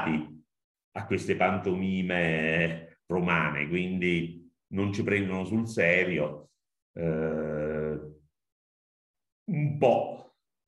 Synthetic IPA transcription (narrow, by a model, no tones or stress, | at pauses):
t̪i | akːwest̪epant̪oniːme | romaːnḛkwind̪i | nont͡ʃipɾɛnd̪onosulsɛːɾjo | umpɔ